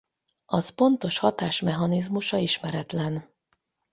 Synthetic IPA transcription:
ɒspo̞nt̪o̞ʃhɒt̪aːʃmɛɦɒnizmuʃɒiʃmɛɾɛt̪lɛn

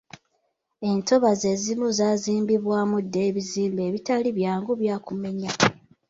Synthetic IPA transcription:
e̞nto̞βaze̞ːzimuzaːziːmbiβwaːmudːe̞ːβiziːmbe̞ːβitaliβjaːŋɡuβjaːkume̞ɲa

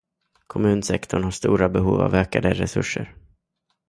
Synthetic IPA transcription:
kʰɔmʉ̟ːnsɛkt̪ʰɔɳhaʂt̪uːɾabɛɦuːva̰vøːkad̪əɾɛsɵʂːəɾ

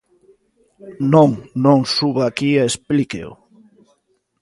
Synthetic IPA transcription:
nõŋnõŋsuβaːkiaesplikḛʊ̰

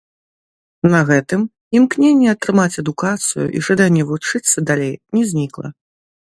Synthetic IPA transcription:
nɐɣɛt̪ɨm | imknʲenʲːɛɐt̪ɾɨmat͡sʲɐd̪ukat̪sɨjṵʔḭʐad̪anʲːɛvut͡ʂɨt̪sːɐd̪alʲejnʲɛzʲnʲiklˠɐ̰

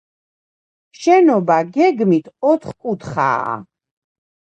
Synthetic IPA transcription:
ʃɛnɔbaɡɛɡmit̪ʰɔt̪ʰχkʼut̪ʰχa̰ː

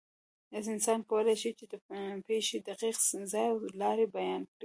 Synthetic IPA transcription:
d̪azɪnsɑnkawəlajʃit͡ʃed̪əpeʃed̪aqiqzɑjawlɑɾebajɑnkɽi

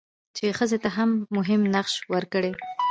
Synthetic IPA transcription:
t͡ʃexəzet̪aɦamːʊɦɪmnaqʃwəɾkəɽe

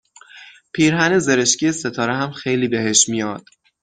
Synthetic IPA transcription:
pʰiːɾɦæneze̞ɾeʃcʰijeset̪ʰɒːɾeɦæmxe̞jliːbe̞ɦe̞ʃmijɒːd̪̥

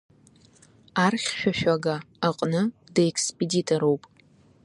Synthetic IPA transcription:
arχʲʃᶣaʃᶣaɡaː | qʼnɨdaekʰspʼeditʼoɾo̞wpʼ

